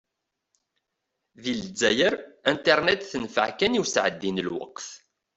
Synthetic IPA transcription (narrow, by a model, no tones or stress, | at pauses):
ðild͡zːæjəɾæ̃nt̪eɾˤnɛt̪θənfə̰ʕkæniwsʕə̰d̪ːinəlwɑ̰qθ